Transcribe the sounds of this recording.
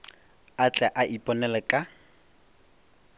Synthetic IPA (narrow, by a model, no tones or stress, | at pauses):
at͡ɬʼɛʔaʔipʼɔnɛlɛkʼa